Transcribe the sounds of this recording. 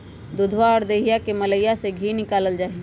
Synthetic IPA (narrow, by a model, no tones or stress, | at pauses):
d̪ʊd̪ʱwaɔːɾd̪eːɦijakemələjaseɡʱinɪkaːləld͡ʒaːi